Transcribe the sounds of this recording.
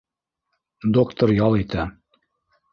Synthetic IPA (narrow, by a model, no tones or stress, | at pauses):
d̪okt̪oɾjɑlˠit̪æ